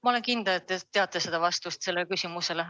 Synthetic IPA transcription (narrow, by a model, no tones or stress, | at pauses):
mɑole̞nkind̪elet̪ːet̪ːe̞ɑt̪ːˑese̞d̪̥ɑvɑst̪ust̪se̞lːekysʲimuse̞le